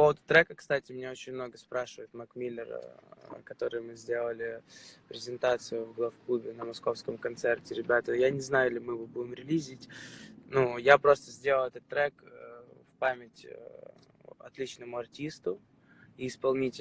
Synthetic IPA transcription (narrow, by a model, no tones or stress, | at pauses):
ppo̞vəd̪ʊt̪ɾɛkəkst̪atʲɪmʲnʲeo̞t͡ɕɪnʲmno̞ɡəspɾaʂɨvəɪt̪mɐkmʲilʲːɪrə̰kɐt̪o̞ɾɨjmɨzʲdʲe̞lˠəlʲɪpɾʲɪzʲɪnt̪at̪sɨjʊvɡlˠɐfklˠubʲɪnəmɐsko̞fskəmkɐnt̪sɛrtʲɪɾʲɪbʲat̪əjanʲɪznajʊɪlʲɪmɨvobuɪmɾʲɪlʲizʲɪtʲnujapɾo̞st̪əzʲdʲelˠəlˠɛt̪ət̪ːɾɛkəfpamʲɪtʲ | ɐ̰t̪lʲit͡ɕnəmʊɐrtʲist̪ʊ | iɪspɐlˠnʲitʲɪ